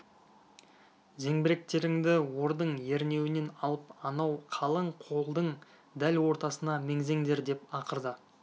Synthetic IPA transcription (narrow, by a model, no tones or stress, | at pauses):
ze̞ŋbɪɾe̞k̚t̪e̞ɾɪŋd̪ɪwo̞ɾd̪əɴje̞ɾne̞wɪne̞nɑlˠəpɑnɑwqʰɑlˠəɴqʰo̞lˠd̪əɴ | d̪ælwo̞ɾt̪ɑsənɑme̞ŋze̞ŋd̪e̞ɾd̪e̞pɑqəɾd̪ə